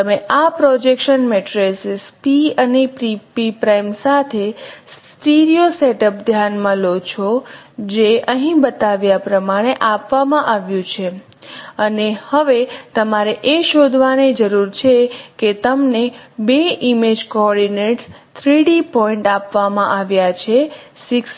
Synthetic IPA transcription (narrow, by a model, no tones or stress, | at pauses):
t̪əmeʔapɾɔd͡ʒekʃənmeʈɾesspiənipɾipipɾajmsat̪ʰessʈiɾijoseʈəp̚d̪ʱjanmãlot͡ʃʰod͡ʒeʔəɦĩbət̪aʋjapɾəmaɽ̃eʔapʋamãʔaʋjũt͡ʃʰe | ənehəʋet̪əmaɾeʔeʃod̪ʱʋaned͡ʒəɾuɾt͡ʃʰeket̪əmnebeʔimed͡ʒkɔɔɾɖineʈ | t̪ʰɾiɽipɔiɳʈapʋamãʔaʋjat͡ʃʰesɪks